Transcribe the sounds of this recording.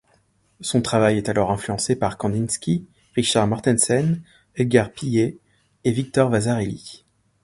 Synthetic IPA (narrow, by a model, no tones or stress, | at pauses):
sɔ̃t̪χavajɛt̪alɔʁɛ̃flyɑ̃sepaʁkɑ̃d̪inskʲi | ʁiʃaʁmaʁt̪ɛnsɛn | ɛlɡʲaʁpije | evik̚t̪ɔʁvazaʁelḭ